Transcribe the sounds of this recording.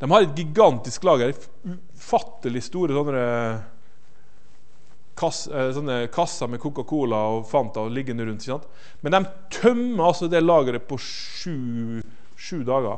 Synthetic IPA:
d̪̥ɛmhɑɾɛt̪̚ɡɪɡɑnt̪ɪsklɑːɡæɾ | ʉ | fɑt̪ːəlɪst̪uːɾəsɔnːəɾə | kʰɑssɔnːəkʰɑsɑmɛkʰuːkɑkʰuːlɑɔfɑnt̪ɑlɪɡːənəɾʉnt̪ɪçəsɑnt̪ | mɛnd̪ɛm | t̪ʰœmːəɑlsɔd̪ɛlɑːɡəɾəpʰɔ | ʂʉː | ʂʉːd̪ɑːɡɑ̰

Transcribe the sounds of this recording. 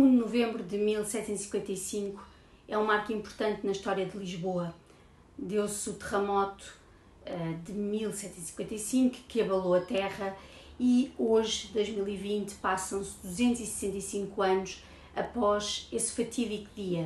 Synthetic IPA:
ũnuvẽmbɾuðɨmilˠsɛt̪sẽt̪isĩ̥kwẽnt̪ɐjsĩŋku̥ | ɛũmaɾkĩmpuɾt̪ɐ̃nt̪nɐiʃt̪ɔɾjɐðɨlˠiʒβoɐ | d̪ewsut̪ɨʁmɔt̪u̥ | ɛd̪ɨmilˠsɛt̪sẽt̪isi̥kwẽnt̪ɐjsĩŋkkɨɐβɐlˠoɐt̪ɛʁɐioʒd̪ojʒmilˠivĩnt̪pasɐ̃w̃sd̪uzẽnt̪uz̥isɨ̥sẽnt̪ɐjsĩŋkuɐnuʃ | ɐpɔʃesfɐt̪ʰiðikðiɐ

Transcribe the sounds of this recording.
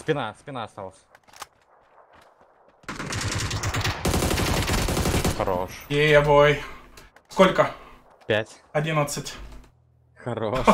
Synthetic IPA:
spʲɪnaspʲɪnaɐst̪alˠəsʲ | xɐɾoʂjejɐboj | skolʲkə | pʲætʲ | ɐdʲinət̪sɨtʲ | xɐɾo

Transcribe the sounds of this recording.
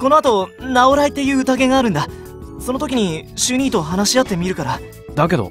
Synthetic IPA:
ko̞no̞at̪o̞nao̞ɾait̪ːe̞jɯ̟ːɯ̟t̪aɡe̞ɡaːɾɯ̟nd̪a | so̞no̞t̪o̞kʲiɲ̟iɕɨɲ̟iːt̪o̞ɦanaɕiat̪ːe̞mʲiɾɯ̟kaɾa | d̪ake̞d̪o̰

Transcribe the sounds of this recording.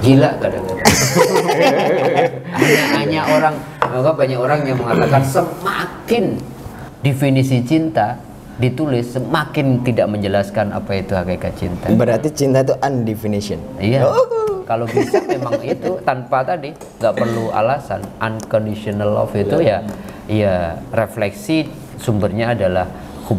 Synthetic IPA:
d͡ʒilakadak̪a | aamaɲaʔoɾaŋ | aɡabaɲaʔoɾaŋjaŋməŋat̪akansəmakɪn | definisit͡ʃint̪a | dit̪ulɪsːəmakɪnt̪idaʔməɲd͡ʒəlaskana̰pait̪uhaɡakat͡ʃḭnt̪abəɾart̪it͡ʃint̪ait̪uʔandefinisiɔnijakalobisaemaŋit̪ut̪anpat̪adi | ŋɡaʔpərlua̰lasa̰nankɔndisiɔnalɔ̰fit̪uja | ijareflɛksi | sumbərɲaːdalah | hu

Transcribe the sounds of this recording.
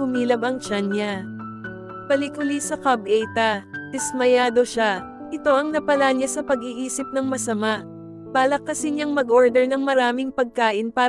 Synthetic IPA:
ʊmiːlɐbɐŋt͡ʃanɲa | pɐlikʊlisɐkɐbʔɛjt̪ɐt̪ɪsmɐjaːd̪o̞ʃa | ʔɪt̪o̞ʔɐŋnɐpɐlaɲasɐpɐɡiːʔiːsɪp̚nɐŋmɐsɐmaʔ | b̥aːlɐkːɐsɪɲaŋmɐɡʔoɹd̪ɛɹnɐŋmɐɾaːmɪŋpɐɡ̚kaːʔɪnpaː

